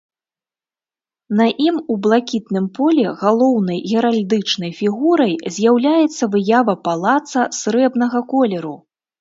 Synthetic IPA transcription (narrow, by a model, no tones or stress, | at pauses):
nɐʔimublˠakʲit̪nɨmpɔlʲɛɣalˠɔwnɐjɣʲɛɾalʲd̪ɨt͡ʂnɐjfʲiɣuɾɐjzʲjawlʲajɛt̪sːɐvɨjavɐpalˠat̪sɐsɾɛbnɐɣɐkɔlʲɛɾu